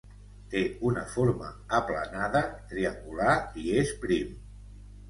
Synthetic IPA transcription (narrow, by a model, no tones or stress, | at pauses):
t̪eunəfoɾmə̰ːplə̰naðət̪ɾiəŋɡulaiespɾim